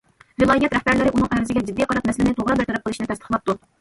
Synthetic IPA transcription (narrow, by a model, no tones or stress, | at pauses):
vɨlˠɑːjɛt̪ɾɛhbæɾlɪɾɪʔunɨŋʔɛɾɪzɪɡʲɛd͡ʒid̪ːijqʰɑɾɑt̪mɛsɪlɪnɪt̪ʰoʁɾɑbɪɾt̪ʰɛɾɛp̚qəlˠɨʃinɪt̪ʰɛst̪ʰəχlˠɑp̚t̪u